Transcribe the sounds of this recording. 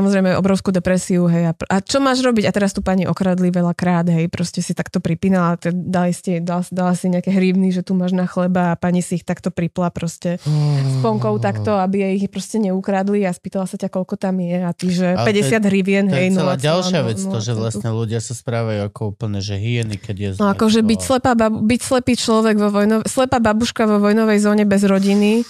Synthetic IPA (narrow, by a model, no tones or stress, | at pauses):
samɔzɾɛjmɛɛɔ̰bɾɔʊskud̪ɛpɾɛsiuɦɛjapʔat͡ʃɔmaːʒɾɔbiɟat̪ɛɾast̪uːpaɲiʔɔkɾaːd̪liʋɛʎakɾaːd̪ɦɛjpɾɔscɛsit̪akt̪ɔpɾipiːnalat̪ɛd̪alisid̪alsd̪alasiɲɛakɛɦɾiːʊniʒɛt̪uːmaːʒnaxlɛbaːpaɲisiːxt̪akt̪ɔpɾiplapɾɔscɛspɔŋkɔʊt̪akt̪ɔabijɛixpɾɔscɛɲɛukɾaːd̪liaspiːt̪alasacakɔʎkɔt̪amjɛat̪iʒɛpɛɟɛsad̪ɦɾivjɛnɦɛjnuaalʃɪaʋɛɔʒɛʋlasɲɛluɟɪasaspɾaːʋajuakɔuːpl̩ɲɛʒɛɦiɛnikɛɟjɛznɔakɔʒɛbicslɛpaːbabubicslɛpiːt͡ʃlɔʋɛɡʋɔʋɔjnɔslɛpaːbabuʃkaʋɔʋɔjnɔʋɛjzɔːɲɛbɛzɾɔɟini